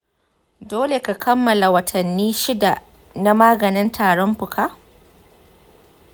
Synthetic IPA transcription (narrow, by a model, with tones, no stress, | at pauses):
doː˦le˨ka˨kʰɐ˦mːɐ˨la˨wɐ˨tʰɐ˨nːiː˦ʃɪ˦da˨ | na˦maː˦ɡɐ˨nɪ˦ntʰaː˨ɽɔ˦mɸʊ˨kʰa˦